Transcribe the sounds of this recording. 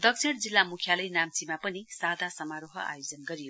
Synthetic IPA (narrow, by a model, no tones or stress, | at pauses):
d̪ʌk̚t͡sʰeɽd͡zilːamukʰjalʌjnamt͡simapʌnisad̪ʱasʌmaɾoɦʌ̰ʔa̰jod͡zʌnɡʌɾijo